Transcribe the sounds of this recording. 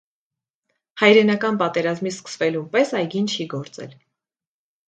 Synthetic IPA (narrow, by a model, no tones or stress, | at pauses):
hɑjɾɛnɑkɑnpɑt̪ɛɾɑzmiskə̥svɛlunpɛsɑjɡint͡ʃʰiɡɔɾt͡sɛ̰l